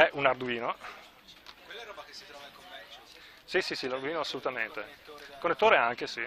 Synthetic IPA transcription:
ɛʔunard̪uiːno | sisisilard̪uiːnoasːolut̪ament̪ekonːet̪ːoːɾeaŋk̟esi

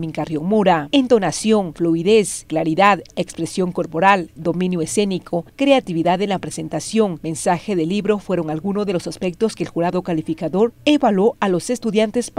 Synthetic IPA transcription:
mĩŋkarjoŋmoɾaent̪o̞nasjo̞ŋfluiðesklaɾiðaðekspɾe̞sjo̞ŋko̞ɾpo̞ɾald̪o̞mĩnjoese̞nikʰo̞kɾe̞at̪iβiðaðenlapɾe̞se̞nt̪asjo̞ŋmẽ̞nsaxe̞ðe̞liβɾo̞fwe̞ɾo̞ŋalɣunozðelo̞saspe̞k̚t̪o̞skeːlxuɾaðo̞kalifikaðo̞ɾe̞βalo̞alo̞se̞st̪uðjant̪es

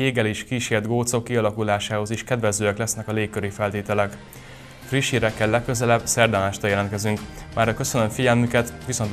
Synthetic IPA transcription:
eːɡɛleːʃkiːʃeːrd̪ɡoːt̪so̞kːiɒlɒkulaːʃaːho̞ziʃkɛd̪ʋɛzøːɛklɛsnɛkɒleːkkːøɾifɛlt̪eːt̪ɛlɛk | friʃiɾɛkːɛlːɛkːøzɛlɛbsɛrd̪ɛmaːʃt̪ɒjɛlɛnt̪̚kɛzyŋkmʔaːɾɒkø̞sønømfiɟɛlmykɛt̪ʋiso̞nt̪

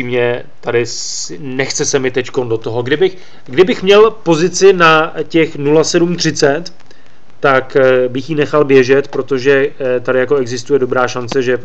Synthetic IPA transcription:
iːmɲɛ | t̪adɪ | nɛxt͡sɛsɛmɪt̪ɛcko̞ndo̞t̪o̞ɦo̞ɡdɪbɪx | ɡdɪbɪxmɲɛlpo̞zɪt͡sɪnacɛxnulasɛdumt̪r̝̥ɪt͡sɛt̪ː | akbɪxjiːnɛxalbjɛʒɛt̪pɾo̞t̪o̞ʒɛt̪adɪjako̞ɛɡzɪst̪ujɛdobɾaːʃant͡sɛʒɛ

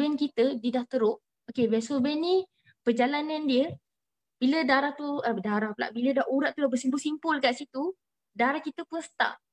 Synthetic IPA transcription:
ɛnkit̪ədidaht̪əɾʊʔ | okebɛsobɛnːi | pəd͡ʒalanãndiə | b̥ilədaɾaht̪uədaɾahpəla̰ʔbilədaʔuɾaʔt̪ulabəsimpuʊlsimpʊlkaʔsit̪u | daɾahkit̪əpuəst̪a̰ʔ

